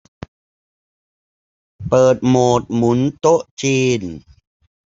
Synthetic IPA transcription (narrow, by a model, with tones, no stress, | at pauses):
pɤː˨˩t̪̚moː˨˩t̪̚mu˩˦nt̪o˦˥ʔt͡ɕiː˧n